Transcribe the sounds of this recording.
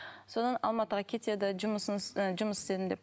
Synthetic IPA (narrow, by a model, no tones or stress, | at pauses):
so̞d̪ɑnɑ̰lˠmɑt̪əʁɑkʲʰe̞t̪e̞d̪ɪʒʊməsnʒʊməsɪ̥st̪ed̪ɪnd̪e̞p